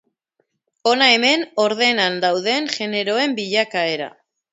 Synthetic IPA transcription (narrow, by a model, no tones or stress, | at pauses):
o̞nae̞me̞no̞ɾðe̞nand̪awðe̞ŋʝe̞ne̞ɾo̞e̞mbiʎakae̞ɾa̰